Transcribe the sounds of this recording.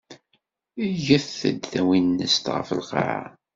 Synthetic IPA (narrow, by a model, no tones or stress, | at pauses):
ʝəθə̰d̪θæwinːəst̪ʁə̰fə̰lqɑ̰ʕa̰